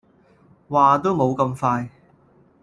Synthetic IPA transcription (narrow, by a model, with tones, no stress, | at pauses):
waː˨˩t̪o˥wmo˨˧wkɐ˧mfaː˧j